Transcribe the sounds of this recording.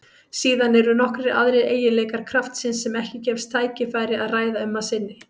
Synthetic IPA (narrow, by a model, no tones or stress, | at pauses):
siːðanɛɾʏnɔhkɾɪɾa̰ðɾɪḛːjɪleːkaɾ̥kʰɾaft̪sɪnsːɛmɛhcɪcɛfst̪ʰːaːjcɪfaːjɾɪaðraːjðaʏmːasɪnːɪ